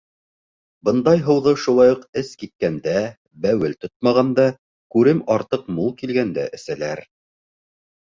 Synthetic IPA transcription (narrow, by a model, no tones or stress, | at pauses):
bɤ̆nd̪ɑjɦɤ̆w̪ˠʁɤʃulˠɑjuqɘskit̪̚kænd̪æ | bæwɘlt̪ot̪̚mɑʁɑnd̪ɑ | kʉɾɘmɑɾt̪ɤqmulˠkilɡænd̪æʔɘ̆sælæɾ